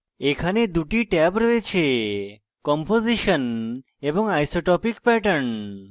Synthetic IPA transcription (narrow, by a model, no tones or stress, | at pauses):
ekʰaned̪uʈiʈɛbɾəɦet͡ʃʰe | kɔmpoziʃən | ebɔŋajsoʈɔpikpɛʈəɳ